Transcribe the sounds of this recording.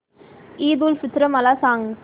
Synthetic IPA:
iːd̪ulfɪt̪ɾɐmɐlasaːŋ

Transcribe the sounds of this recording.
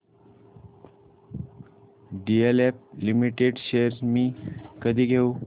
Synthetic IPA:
ɖielep̚limiʈeɖɕeəɾmiːkəd̪ʱiːɡʱeu

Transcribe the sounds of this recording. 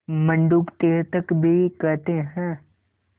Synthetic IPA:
mə̃ɳɖuːkt̪eːɾt̪əkbʱikɛɾt̪eɦɛ̃ː

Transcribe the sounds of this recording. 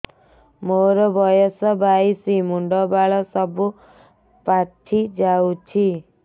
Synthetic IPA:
moɾɔbʱɔjɔsɔbajsimuɳɖɔbaɭɔsɔbu | paʈʰid͡ʒawt͡ʃʰi

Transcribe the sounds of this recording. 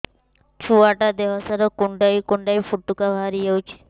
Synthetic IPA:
t͡ʃʰuaʈad̪eɦɔsaɾɔkuɳɖajkuɳɖajfuʈːukabʱaaɾijewt͡ʃʰe̥

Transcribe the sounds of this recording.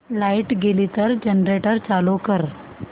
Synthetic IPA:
laiʈɡelit̪əɾd͡ʑənɾeʈəɾt͡salokəɾ

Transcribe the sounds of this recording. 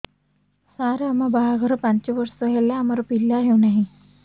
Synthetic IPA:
saɾeamabaɦaɡʱəɾəpaɲt͡ɕiʋəɾsəɦelːaːmaɾɔpilːaɦewnaɦi

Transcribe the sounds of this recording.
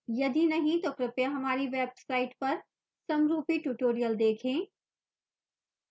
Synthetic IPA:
jɐd̪ʱinɐɦĩt̪oːkɾɪpjaɦɐmaːɾiʋeːbsaːɪʈpɐɾ | sɐmɾuːpiʈuːʈoːɾijəld̪eːkʰẽː

